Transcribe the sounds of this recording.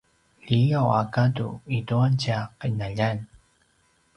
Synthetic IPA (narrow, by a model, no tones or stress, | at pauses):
ʎijawakadṵituant͡ɕaqənaʎan